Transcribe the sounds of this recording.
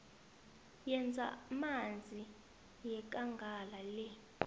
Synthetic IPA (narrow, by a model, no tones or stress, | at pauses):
jɛnd͡zʱa̰mand͡zʱi | jɛk̬ʼaŋɡʱalalɛ